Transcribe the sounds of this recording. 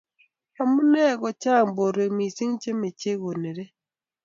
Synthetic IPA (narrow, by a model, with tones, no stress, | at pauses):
ɔ˨mu˦nɛ˦˨ɡɔ˨t͡ʃa˦˨ŋbo˨ɾe˨mi˨si˦ŋt͡ʃe˦me˨t͡ʃe˦ɣo˨ne˨ɾe˦